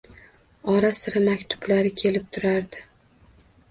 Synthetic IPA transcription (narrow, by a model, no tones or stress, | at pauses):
ɒɾasɪɾamakʲt̪ʰʊ̥blaɾɪkʲʰe̞lɪp̚t̪ʰʊɾaɾd̪ɪ